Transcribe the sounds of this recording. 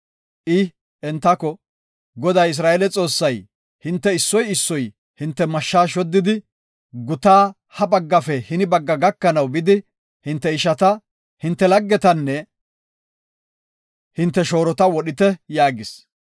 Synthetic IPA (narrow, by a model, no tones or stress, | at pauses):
ʔɪ | ʔɛnt̪ːɐkɔ | ɡɔd̪ɐjɪs̬ɾaːɛlɛt͡sʼo̞ːsːɐj | hɪnt̪ːɛɪsːɔjɪsːɔj | hɪnt̪ːɛmɐʃːaːʃɔd̪ːɪd̪ɪ | ɡʊt̪aː | hɐbɐɡːɐfɛhɪnɪbɐɡːɐɡɐkːɐnɐwbɪd̪ɪ | hɪnt̪ːɛɪʃɐt̪ɐ | hɪnt̪ːɛlɐɡːɛt̪ɐnːɛ | hɪnt̪ːɛʃo̞ːɾɔt̪ɐwɔɗɪt̪ɛjaːɡɪs